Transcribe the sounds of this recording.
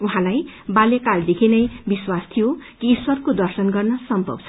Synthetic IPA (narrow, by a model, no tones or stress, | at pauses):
uɦãlajbaljakald̪ekʰinʌjbiswast̪ʰijokiːswʌrkod̪ʌrsʌnɡʌrnʌsʌmpʌ̰bt͡sʰʌ̥